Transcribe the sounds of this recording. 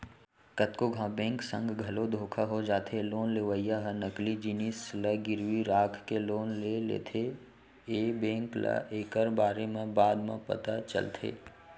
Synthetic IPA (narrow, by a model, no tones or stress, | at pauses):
kət̪koɡʱãbẽːŋksə̰̃ŋɡɡʱɐlod̪ʱoːkʰaɦod͡ʒaːt̪ʰeloːnleːʋəijaɦənəklid͡ʒinisləɡɪɾwiɾaːkʰkeloːnlelḛːt̪ʰe | eːbẽːŋklə̰ʔeːkəɾbaːɾemẽbaːd̪mḛ̃pə̰t̪at͡ʃə̰lt̪ʰḛː